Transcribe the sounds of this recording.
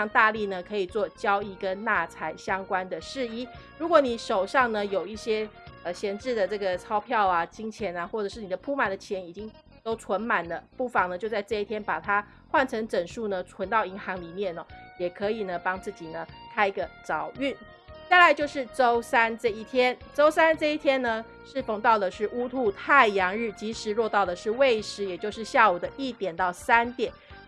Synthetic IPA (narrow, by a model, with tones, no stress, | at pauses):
jɑ˥˧ŋt̪a˥˧li˥˩nə˩kʰɤ˧˥i˨˩t͡swɔ˥˨˩t͡ɕjɑ˥ʊi˥˩kə˦˥nna˥˩t͡sʰa˧˥ɪɕjɑ˥ŋkwa˥nd̪ə˨ʂɻ̩˥˧i˥˩ | ɻu˧˥kwɔ˧˥ni˨˩ʂo˨˩ʊʂɑ˥˩ŋnə˨jo˨˩ʊi˥˩ɕjɛ˥ | ə˧˩ɕjɛ˧˥nʈ͡ʂɻ̩˥˩d̪ə˨˩ʈ͡ʂɤ˥˩ɡə˩ʈ͡ʂʰɑ˥ʊpʰjɑ˥˩ʊa˨t͡ɕi˥ŋt͡ɕʰjɛ˧˥na˧xwɔ˥˩ʈ͡ʂɤ˨˩ʂɻ̩˥˩ni˨˩d̪ə˦pʰu˥ma˨˩nd̪ə˩˦t͡ɕʰjɛ˧˥ni˨˩t͡ɕi˦˥ŋ | t̪o˥ʊt͡sʰwə˧˥nma˨˩nlə˦pu˥˩fɑ˨˩ŋnə˨˩t͡ɕjo˥˧ʊt͡sa˥˧ɪʈ͡ʂɤ˥˧i˥˩t̪ʰjɛ˥npa˨˩t̪ʰa˥ | xwa˥˩nʈ͡ʂʰɤ˧˥ŋʈ͡ʂə˨˩nʂu˥˩nə˨ʈ͡ʂʰwə˧˥nt̪ɑ˥˩ʊi˧˥ŋxɑ˧˥ŋli˨˩mjɛ˥˩nə˩jɛ˨˩kʰɤ˧˥i˨˩nə˦pɑ˥ŋt͡sɹ̩˥˩t͡ɕi˨˩nə˦kʰa˥ɪɡə˨˩t͡sɑ˨˩˦ʊy˥˩n | t͡sa˥˩ɪla˧˥ɪt͡ɕjo˥˧ʊʂɻ̩˥˩ʈ͡ʂo˥ʊsa˥nʈ͡ʂɤ˥˧i˥˩t̪ʰjɛ˥nʈ͡ʂo˥ʊsa˥nʈ͡ʂɤ˥˧i˥˩t̪ʰjɛ˥nnə˨ | ʂɻ̩˥˩fo˧˨˩ŋt̪ɑ˥˩ʊd̪ə˩ʂɻ̩˥˩u˥t̪ʰu˥˧t̪ʰa˥˩ɪjɑ˧˥ŋɻ̩˥˩t͡ɕi˧˥ʂɻ̩˧˥ɻwɔ˥˧t̪ɑ˥˩ʊd̪ə˩ʂɻ̩˥˧we˥˩ɪʂɻ̩˧˥jɛ˨˩t͡ɕjo˥˧ʊʂɻ̩˥˧ɕja˥˩u˨˩d̪ə˦ʔi˥˩t̪jɛ˨˩nt̪ɑ˥˩ʊsa˥nt̪jɛ˨˩˦n